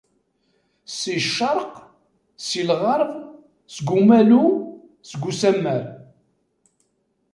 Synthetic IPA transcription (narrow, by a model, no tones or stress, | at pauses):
siʃːɑɾˤq | silʁɑɾˤv | sɡʷumælu | sɡʷːusæmːəɾ